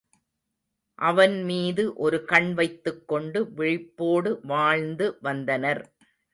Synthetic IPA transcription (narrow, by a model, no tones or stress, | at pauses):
ʔɐʋɐnmiːðɯʔɔɾɯkɐɳʋɐɪt̪ːɯkːɔɳɖɯʋɪɻɪpːoːɽɯʋaːɻnd̪ɯʋɐnd̪ɐnɐɾ